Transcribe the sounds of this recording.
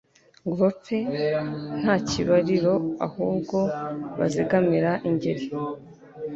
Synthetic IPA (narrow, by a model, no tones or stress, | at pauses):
ɡuɾope | n̥haːciβaɾiɾo̞a̰huːbɡo̞βa̰ziɡamiɾaʔiɲɟe̞ɾe